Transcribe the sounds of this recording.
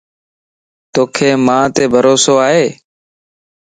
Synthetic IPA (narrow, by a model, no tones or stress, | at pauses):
t̪oːkʰeːmãːt̪eːbʱəɾoːsoːaːɦeː